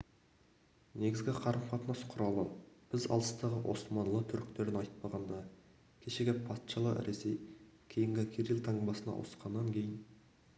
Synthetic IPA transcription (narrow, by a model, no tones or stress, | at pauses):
ne̞ɡʲɪzɡʲɪqʰɑɾəmqʰɑt̪ənɑsqʰʊɾɑlˠəb̥ɪzɑ̰lˠə̥st̪ɑʁəwʔo̞̰smɑnlˠət̪ʰʏɾk̚t̪e̞ɾɪnɑjt̪̚pɑʁɑnd̪ɑ | kʲʰe̞ʃeɡʲepʰɑt̪ʃɑlˠə̰ɾesej | kʲʰejɪŋɡʲɪkʲʰeɾilˠt̪ʰɑɴbɑsənɑ̰wʔo̰sqɑnːɑŋkʲʰe̞jɪn